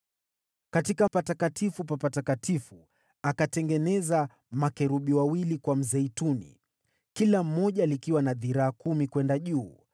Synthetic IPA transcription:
katikapatakatʰifupapatakatifu | akatɛŋɡɛnɛza | makɛɾuɓiwawilikwam̩zɛitunḭ | kilam̩ːɔʄalikiwanaðiɾaːkumikwɛndaʄuː

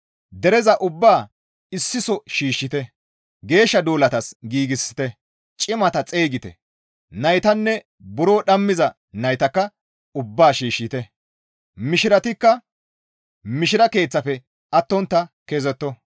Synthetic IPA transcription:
d̪ɛɾɛzɐʔʊbːaː | ɪsːɪsɔʃiːʃːɪt̪ɛ | ɡe̞ːʃːɐd̪oːlɐt̪ɐsɡiːɡɪsːɪ̥t̪ɛ | t͡ʃʼɪmɐt̪ɐt͡sʼe̞ːɡɪt̪ɛ̰ | nɐjt̪ɐnːɛ | bʊɾoːɗɐmːɪzɐ | nɐjt̪ɐkːɐ | ʊbːaːʃiːʃːɪt̪ɛ | mɪʃɪɾɐt̪ɪkːɐ | mɪʃɪɾɐke̞ːt͡sːɐfɛ | ʔɐt̪ːɔnt̪ːɐkezɛt̪ːɔ

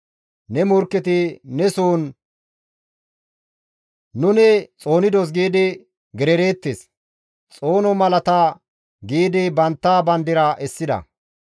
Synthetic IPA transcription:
nɛmʊɾkːɛt̪ɪnɛsuːn | ʊnɛt͡sʼo̞ːnɪd̪ɔs̬ɡiːd̪ɪ | ɡɛɾɛɾe̞ːt̪ːes | t͡sʼo̞ːnɔmɐlɐt̪a | ɡiːd̪ɪbɐnt̪ːaːbɐnd̪ɪɾɐʔɛsːɪd̪ɐ̰

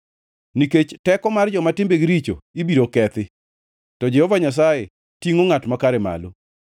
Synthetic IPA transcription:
niket͡ʃtɛkɔmard͡ʒɔmatɪmbeɡiɾit͡ʃo̰ibiɾokɛt̪ɪ | tɔd͡ʒɛhɔvaɲas̬aje | tiŋoŋatmakaɾema̰lo

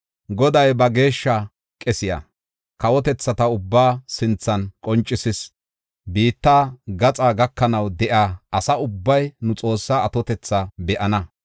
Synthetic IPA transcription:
ɡɔd̪ɐjbɐɡe̞ːʃːɐ | kʼɛsɪjɐ̰ | kɐwɔt̪ɛt͡sːɐt̪ɐʊbːaːsɪnt͡sːɐnkʼɔnt͡ʃʼːɪsɪs | biːt̪ːaːɡɐt͡sʼaːɡɐkːɐnɐwd̪ɛʔaːɐsɐʊbːɐjnʊt͡sʼo̞ːsːaːɐt̪ɔt̪ɛt͡sːɐbɛʔɐnɐ

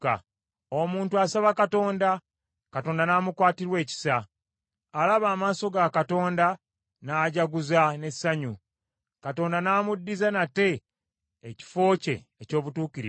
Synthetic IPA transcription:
a | omuːntuasaβakato̞ːnda | kato̞ːndanaːmukwaːtiɾwe̞ːci̥sa | alaβaːmaːso̞ɡakato̞ːnda | naːɟaɡuzane̞sːaɲu | kato̞ːndanaːmudːizanate̞ː | ci̥fo̞ːce̞̰ːco̞ːβutuːkiɾḭ

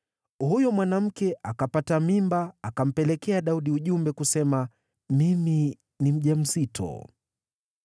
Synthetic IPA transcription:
hujɔmwanam̩kɛʔakapatamimbaːkam̩pɛlɛkɛaɗauɗiuʄumbɛkusɛma | mimi | nim̩ʄam̩zitʰɔ̰

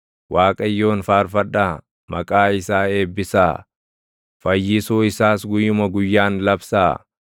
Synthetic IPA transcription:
waːkʼɐjːo̞ːnfaːɾfɐᶑaː | mɐkʼaːɪsaːe̞ːbːɪsa̰ː | fɐjːɪsoːɪsaːsɡʊjːʊmɐɡʊjːaːnlɐbsaː

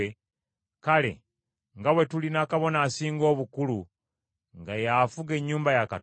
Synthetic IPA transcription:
e | kale̞̰ | ŋɡawe̞tulinakaβo̞naːsiːŋɡo̞ːβukulu | ŋɡajafuɡe̞ɲːuːmbajaka

